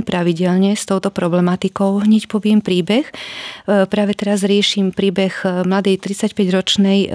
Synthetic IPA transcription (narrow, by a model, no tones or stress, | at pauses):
ipɾaʋiɟɛlɲɛst̪ɔʊt̪ɔpɾɔblɛmat̪ikɔʊɦɲɛcpɔʋɪɛmpɾiːbɛx | pɾaːʋɛt̪ɛɾazɾɪɛʃiːmpɾiːbɛɣmlad̪ɛjt̪ɾit͡sacpɛɟɾɔt͡ʃnɛj